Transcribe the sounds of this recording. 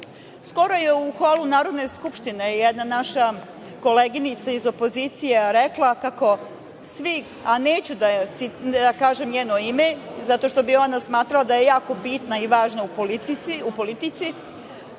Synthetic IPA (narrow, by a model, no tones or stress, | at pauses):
sko̞ɾo̞jeuxolunaːɾo̞d̪ne̞skupʃt̪inejɛd̪nanaʃa | ko̞leɡinit̪saizo̞po̞zit̪sijeɾeklˠakako̞ | sʋi | aneːt͡ɕud̪asiakaːʒemɲeːnoimezat̪o̞ʃt̪o̞bio̞nasmaːt̪ɾalˠad̪aje̞jaːko̞bit̪naiʋaːʒnaupoiupo̞lit̪it̪si